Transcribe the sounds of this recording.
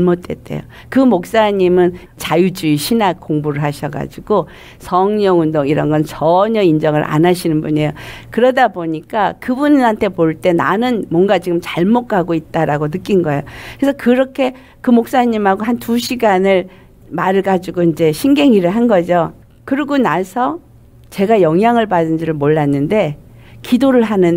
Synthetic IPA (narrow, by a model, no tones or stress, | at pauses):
mot͈we̞t͈e̞̰jo̰ | kɯmok̚s͈aɲimɯn | t͡ɕajud͡ʑuiɕʰinak͈oŋbuɾɯɭɦaɕʰʌɡa̰d͡ʑiɡo | sʰʌŋɲʌŋundoŋiɾʌnɡʌnt͡ɕʌɲʌind͡ʑʌŋɯɾʔa̰nɦaɕʰinɯnbune̞jokɯɾʌdaboɲik͈akɯbunnantʰe̞poɭt͈e̞na̰nɯnmwʌnɡat͡ɕiɡɯmt͡ɕaɭmokʰaɡoit̚t͈aɾaɡonɯk͈inɡʌejoesʰʌkɯɾʌkʰe̞ | kɯmok̚s͈aɲimɦaɡoɦantuɕʰiɡanɯɭ | maɾɯɭɡad͡ʑiɡoind͡ʑe̞ɕʰiŋɡe̞ŋiɾɯɭɦanɡʌd͡ʑo | kɯɾiɡonasʰʌ | t͡ɕe̞ɡajʌŋɦjaŋɯɭpadɯnd͡ʑiɾɯɭmoɭːanːɯnde̞ | kidoɾɯɭɦanɯn